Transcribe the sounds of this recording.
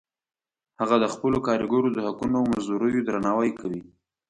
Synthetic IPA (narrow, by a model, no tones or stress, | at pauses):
haɣad̪əxpəlokɑɾɪɡoɾod̪əhakunoawmanzd̪uɾəjod̪ɾanɑwajkʰawi